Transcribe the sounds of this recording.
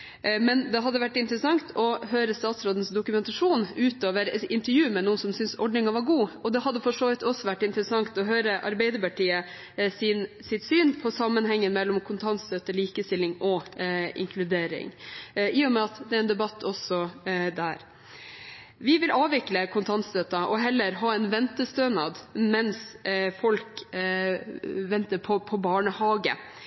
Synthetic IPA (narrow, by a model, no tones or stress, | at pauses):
mɛnd̪ɛɦɑd̪ːəʋæʈːɪnt̪əɾəsɑŋt̪ʰɔɦøːɾəst̪ɑːt̪sɾoːd̪ən̩sd̪ʊkʉmɛnt̪ɑʂuːnʉːt̪oːʋəɾɪnt̪əɾjʉːmɛnuːənsɔmsʏnsɔɖɳɪŋɑʋɑɾɡuːɔd̪ɛhɑd̪ːəfɔʂoːʋɪt̪ɔsːɔʋæʈːɪnt̪ɾəsɑŋt̪ɔɦøːɾəʔɑ̰ɾbɛɪd̪əɾpɑʈʰiːə | sɪn | sɪt̪syːnpʰɔsɑmːənhɛŋːənmɛlːɔmkʰʊnt̪ʰɑnsøt̪əɭiːkəst̪ɪlːɪŋɔɪ̰ŋkʰlʉd̪eːɾɪ̰ŋɪːʊmɛɑt̪d̪ɛɾæɛnd̪ɛbɑt̪ʰːɔsɔd̪æ̰ɾ | ʋɪʋɪlʔɑːʋɪkːləkʰʊnt̪ʰɑnt̪sd̪øːt̪ɑʔɔɦɛlːəɾɦɑːɛnʋɛnt̪əst̪øːnɑd̪mɛnsfɔlk | ʋɛnt̪əɾpʰɔpʰɔbɑːɳəhɑːɡə̰